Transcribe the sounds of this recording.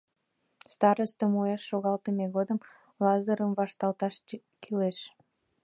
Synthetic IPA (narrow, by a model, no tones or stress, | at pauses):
st̪ɑɾəst̪əmueʃːoɣɑlˠt̪əmeɣod̪əm | lɑzəɾəmvɑʃt̪ɑlˠt̪ɑʃ | kʰileʃ